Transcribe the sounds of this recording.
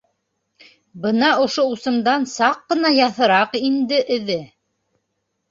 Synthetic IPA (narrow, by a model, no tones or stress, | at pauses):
bɤnɑŏʃousɤ̆md̪ɑnsɑqːɤ̆nɑjɑθɤ̆ɾɑqind̪ɘʔɘ̆ðɘ